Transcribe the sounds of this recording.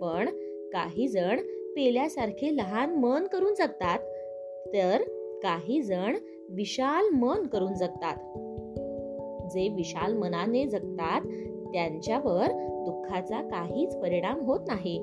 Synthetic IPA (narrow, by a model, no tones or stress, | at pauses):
pəɳ | ka̰ɦiːd͡zəɳpeljasaɾkʰeləɦanmənkəɾuːnd͡zaɡ̚t̪at̪ː | əɾkaɦiːd͡zəɳ | ʋiɕalmənkəɾuːnd͡zaɡ̚t̪at̪ | d͡zeʋiɕalmənaned͡zəɡt̪at̪ː | jaɲt͡ɕjaʋəɾd̪ukʰːat͡sakaɦiːt͡spəɾiɽ̃amɦot̪naɦe